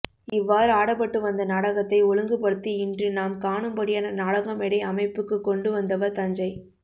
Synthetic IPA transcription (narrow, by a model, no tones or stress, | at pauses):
ɪʋːaːɾɯaːɽɐpːɐʈːɯʋɐnd̪ɐnɐɽɐɣɐt̪ːɐɪɔlɯŋɡɯpɐɽɯt̪ːiɪndrɯnaːmkaːɳɯmbɐɽɪjaːnɐnaːɽɐɣɐmɛɽɐɪɐmɐɪpːɯkːɯkːɔɳɖɯʋɐnd̪ɐʋɐɾt̪ɐɲd͡ʒɐɪ